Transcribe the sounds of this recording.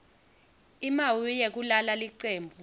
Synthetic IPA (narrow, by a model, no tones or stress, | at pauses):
imawijek̬ulalaliǀeːmbʱu